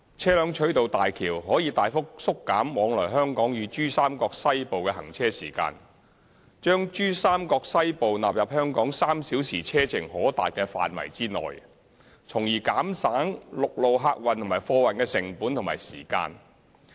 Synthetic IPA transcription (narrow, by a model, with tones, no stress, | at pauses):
t͡sʰɛː˥lœː˨˧ŋt͡ʃʰɵ˨˥ɥt̪o˨wt̪aː˨jkʰiː˨˩wɦɔː˨˥jiː˧t̪aː˨jfʊ˥k̚sʊ˥kːaː˨˥mwɔː˨˧ŋlɔː˨˩jɦœː˥ŋkɔː˨˥ŋjyː˨˧t͡ʃyː˥saː˥mkɔː˧k̚sɐ˥jpo˨wkɛː˧hɐ̰˨˩ŋt͡sʰɛː˥siː˨˩ka̰ː˧n | t͡ʃœː˥ŋt͡ʃyː˥saː˥mkɔː˧k̚sɐ˥jpo˨wnaː˨p̚jɐ˨p̚hœː˥ŋkɔː˨˥ŋsaː˥msiː˨˥wsiː˨˩t͡sʰɛː˥t͡sʰɪ˨˩ŋhɔː˨˥t̪a̰ː˨jkɛː˧fa̰ː˨nwɐ̰˨˩jt͡siː˥nɔ̰ː˨j | t͡sʰʊ˨˩ŋjiː˨˩kaː˨˥msaː˨˥ŋlʊ˨k̚lo˨wɦaː˧k̚wɐ˨nt̪ʰʊ˨˩ŋmaː˨˩jfɔː˧wɐ˨nkɛː˧sɪ˨˩ŋpuː˨˥nt̪ʰʊ˨ŋma̰ː˨jsḭː˨˩ka̰ː˧n